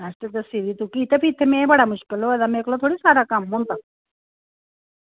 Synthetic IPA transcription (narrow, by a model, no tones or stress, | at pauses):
asʈed̪əsid̪it̪ukiːt̪epit̪ʰːemẽbəɽaːmʊʃkɪloed̪ameːklot̪ʰoːɽisaːɾakamɦõnt̪a